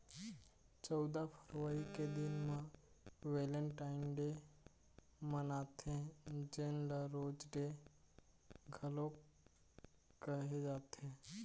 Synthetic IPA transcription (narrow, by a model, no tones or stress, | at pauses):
t͡ʃɔʊd̪apʰəɾʋəɾiked̪ɪnmãʋeːləɳʈaːɪnɖe | mənaːt̪ẽd͡ʒenləɾoːd͡ʒɖe | ɡʱəlõ | kəɦed͡ʒaːt̪ẽː